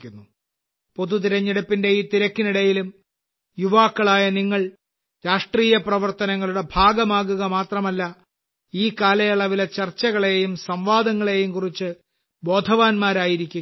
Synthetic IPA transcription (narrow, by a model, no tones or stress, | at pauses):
unːu | po̞ðut̪̬iɾɐɲːiɽɐpːinde̞iːt̪iɾɐkːiniɽɐjilum | juʋaːkːɐɭaːjɐniŋːɐɭ | ɾaːʂʈriːjɐprɐʋɐrt̪ɐnɐŋːɐɭuɽe̞bʱaːɡɐmaːɣuɣɐmaːt̪rɐmɐlːɐ | iːkaːlɐjɐɭɐʋilɐt͡ɕɐrt͡ɕːɐɣɐɭe̞jumsɐmʋaːd̪ɐŋːɐɭe̞jumkurit͡ɕːɨ | bo̞ːd̪ʱɐʋaːnmaːɾaːjiɾikʲːu